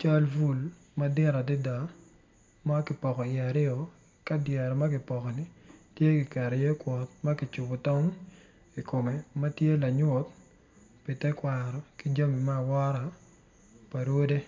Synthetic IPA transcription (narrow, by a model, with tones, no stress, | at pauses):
t͡ʃa˦lvu˦˨l | ma˦dɪ˦ɾa˨dɪ˦da˨ | ma˦kɪ˨pɔ˨kɔ˨ɪ˨a˨ɾɪ˦ɔ˨ | ka˦djɛ˨ɾɔ˨ma˦kɪ˨pɔ˨kɔ˨ni˨tje˦kɪ˨kɛ˨ɾɛ˨je˦kwɔ˨t̪̚ma˦kɪ˨t͡ʃʊ˨bɔ˨tɔ˦n | i˨ko˨me˨ma˦tje˦la˨ɲwo˨t̪ | pi˨tɛ˦kwa˨ɾɔ˨ki˦d͡ʒa˦mi˨maː˦˨wɔ˦ɾa˨ | pa˨ɾwo˦de˦